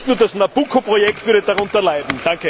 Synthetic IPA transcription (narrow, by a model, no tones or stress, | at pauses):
tnuːɐdasnab̥ukʰopʁojɛktv̥ʏɐdədaʁʊ̃ntɐlaɪdn̩d̥ãŋkə